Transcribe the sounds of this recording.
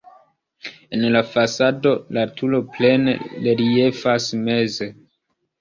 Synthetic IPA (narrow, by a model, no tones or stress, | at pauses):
enlafasado̞latʰulo̞ple̞nḛleɾie̞fasme̞ze̞